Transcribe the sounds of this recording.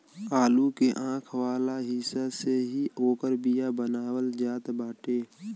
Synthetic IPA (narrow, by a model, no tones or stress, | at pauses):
aːlukeʔãːkʰwaːlaɦɪsaseɦioːkəɾbijabənaːwəld͡ʒaːt̪baːʈeː